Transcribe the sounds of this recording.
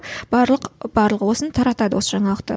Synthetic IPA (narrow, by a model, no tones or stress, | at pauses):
bɑlˠəqbɑɾlˠəqwo̞sənt̪ʰɑɾɑt̪ɑd̪əwo̞səʒɑɴɑlˠəqt̪ə̰